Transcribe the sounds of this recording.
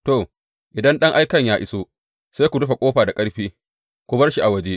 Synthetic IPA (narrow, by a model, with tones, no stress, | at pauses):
to˨ | ʔɪ˨dɐ˦nɗɐ˦ŋʔa˦jkɐ˦˨ɲjaː˦ʔɪ˦soː˦ | sa˦jkʷu˨dʊ˦ɸa˨kʷʼoː˦ɸaː˨da˨kʼɐ˦ɽɸiː˦ | kʷʊ˦bɐ˦rʃi˨ʔa˨wɐ˦d͡ʒe˦ʔ